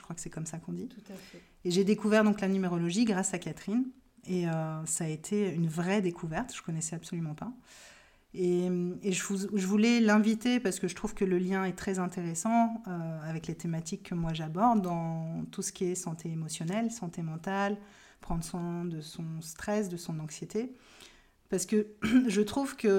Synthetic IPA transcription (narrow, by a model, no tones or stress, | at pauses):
ʒəkχwakə̥sɛkɔmsakɔ̃d̪it̪uɛ | eʒed̪ekuvɛʁd̪ɔ̃klanymeʁɔlɔʒiɡʁasakat̪χineøsaːet̪ʰeynvʁɛd̪ekʰuvɛʁt̪ʒ̥ə̥kɔnɛsɛabsɔlymɑ̃pa | emeʒəvuʒəvulɛlɛ̃vit̪epaʁsə̥kəʒət̪χuv̥kələljɛ̃ɛt̪χɛzɛ̃t̪eʁesɑ̃øavɛklet̪emat̪ikʰːəmwaʒabɔʁd̪ːɑ̃t̪usə̥kʲiɛsɑ̃t̪eemɔsjɔnɛlsɑ̃t̪emɑ̃t̪al | pχɑ̃d̪ʁswɛ̃d̪əsɔ̃st̪χɛsd̪əsɔ̃nɑ̃ksjet̪e | paʁsə̥kəʒət̪χuvkə